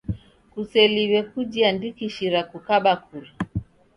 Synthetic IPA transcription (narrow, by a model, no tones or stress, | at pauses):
kusɛliwɛkud͡ʒiandikiʃiɾakukaɓakuɾi